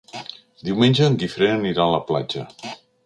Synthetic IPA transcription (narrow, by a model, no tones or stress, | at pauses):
d̪iwmenʲd͡ʒəːŋɡifɾenəniɾaələpla̰d͡ʒə